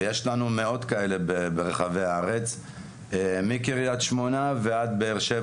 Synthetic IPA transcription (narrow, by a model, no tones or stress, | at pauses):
jeʃlanume̞o̞t̪kae̞le̞bebeʁeχaveaaʁet͡s | emikiʁijat̪ʃmonavead̪beːʁʃe